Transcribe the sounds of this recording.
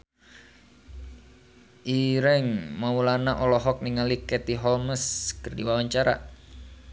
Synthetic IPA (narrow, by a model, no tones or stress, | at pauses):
ʔiɾɛŋmaulanaʔɔlɔɦɔk̚niŋalikɛt̪iɦɔlməskərdiwawaɲt͡ʃaɾa̰